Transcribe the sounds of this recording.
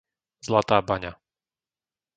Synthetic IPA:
zlat̪aːbaɲa

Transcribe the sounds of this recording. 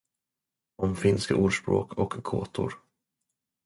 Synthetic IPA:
ɔmfɪnskaʔuːɖʂpɾo̰ːkʰɔkkʰːo̰ːt̪ʰʊ̰ɾ

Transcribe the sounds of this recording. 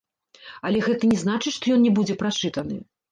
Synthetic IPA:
ɐlʲɛɣɛt̪ɐnʲɛznat͡ʂɨʂt̪ɔjɔnnʲɛbud͡zʲɛpɾat͡ʂɨt̪ɐnɨ̰

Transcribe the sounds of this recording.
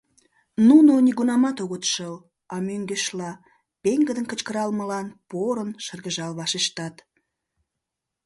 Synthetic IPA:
nunoniɣunɑmɑt̪oɣət̪ʃəl | ɑmøŋɡeʃlɑ | peŋɡəd̪ənkət͡ɕkəɾɑlməlɑnpoɾənʃərɣəʒɑlβɑʃeʃt̪ɑt̪

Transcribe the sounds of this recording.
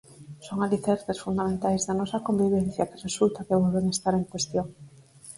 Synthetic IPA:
soŋaliθeɾθesfund̪amẽnt̪ajzðanɔsɐkombiβ̞enθjɐkɪresult̪ɐkeβolβeŋest̪aɾeŋkwest̪joŋ

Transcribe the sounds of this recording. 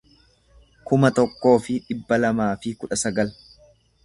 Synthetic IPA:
kʊmɐt̪ɔkːo̞ːfɪᶑɪbːɐlɐmaːfɪkʊᶑɐsɐɡɐl

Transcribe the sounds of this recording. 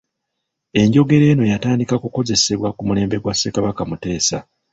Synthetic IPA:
e̞ɲɟo̞ɡe̞ɾe̞ːno̞jataːndikakuko̞ze̞se̞βwakumule̞ːmbe̞ɡwasːekaβakamute̞ːsa

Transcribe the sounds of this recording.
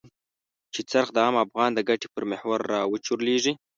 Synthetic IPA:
t͡ʃet͡saɾxd̪əɑːmafɣɑnd̪əɡaʈe̥pəɾmehwaɾːɑwət͡ʃuɾleʐi

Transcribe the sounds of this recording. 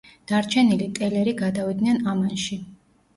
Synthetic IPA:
d̪̥aɾt͡ʃʰɛnilit̪ʼɛlɛɾiɡad̪avid̪nɛnamanʃi

